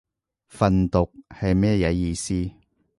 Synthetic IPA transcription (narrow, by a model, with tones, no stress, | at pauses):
fɐ˨nt̪ʊ˨k̚hɐ˨jmɛː˥jɐ˨˥jiː˧siː˥